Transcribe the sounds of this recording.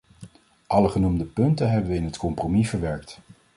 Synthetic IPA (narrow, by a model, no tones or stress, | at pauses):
ʔɑləχənumdəpɵntənɦɛbəʋəɪnɦətkɔmpromivəɹʋɛɹkt